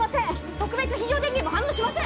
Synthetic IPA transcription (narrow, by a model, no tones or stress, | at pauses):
asẽ | t̪okɯ̟be̞t͡sɨçiʑoːd̪ẽŋɡemoɦãnːoːɕimasẽ